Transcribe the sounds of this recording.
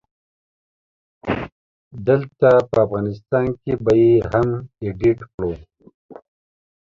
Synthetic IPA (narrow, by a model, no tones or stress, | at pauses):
d̪əlt̪apəafɣɑːnɪst̪ɑːnkebajeɦameɖiʈkɽo